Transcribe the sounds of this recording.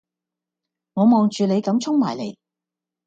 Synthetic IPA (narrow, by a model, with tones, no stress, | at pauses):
ŋɔː˨˧mɔː˨˧ŋt͡ʃyː˨le˨˧jkɐ˨˥mt͡sʰʊ˥ŋmaː˨˩jle˨˥j